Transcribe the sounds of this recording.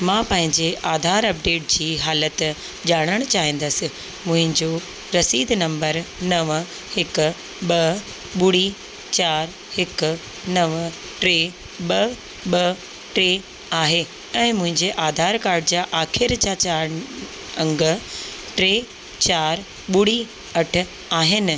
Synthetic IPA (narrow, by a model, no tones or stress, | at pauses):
mãːpɐ̃ɦɪ̃ɲd͡ʑeʔaːd̪ʱaːɾɐp̚ɖeːʈ̚d͡ʑiːɦaːlət̪ | d͡ʑaːɽ̃əɽ̃ʊt͡ɕaːɦĩːn̆d̪əsɪ̆ | mʊ̃ɦɪ̃ɲd͡ʑo | ɾɐsiːd̪nɐ̃mbəɾnɐʋ | hɪkʊ̆ | ɓɐ | ɓʊɽi | t͡ɕaːɾ | hɪk̆ | nɐʋ | ʈɾeː | ɓɐ | ɓɐ | ʈɾeː | aːɦe | ɛ̃ːmʊ̃ɦɪ̃ɲd͡ʑeʔaːd̪ʱaːɾkaːɾɖɪd͡ʑaːʔaːxʰɪɾd͡ʑaːt͡ɕaː | ɐ̃ŋɡəʈɾeː | t͡ɕaːɾ | ɓʊɽ̤i | ɐʈʰʊ̆ | aːɦɪnɪ̆